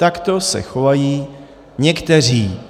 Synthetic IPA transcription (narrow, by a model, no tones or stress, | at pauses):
t̪akt̪o̞sɛ̰xo̞vajiː | ɲɛkt̪ɛriː